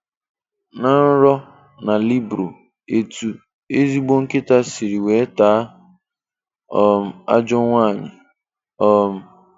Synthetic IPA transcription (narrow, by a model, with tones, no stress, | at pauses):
na˨n̩˦ɾɔ˦ | na˨li˦bɾo˨ | e˦tu˨ | e˦zi˦ɡ͡bo˦ŋ̩˦kɪ˦ta˦si˨ɾi˨we˨˦taː˨˦ | ɔ˦m̩˦a̰˦d͡ʒɔ˦ŋʷa˦˨ɲɪ̰˨ | ɔ˦m̩˦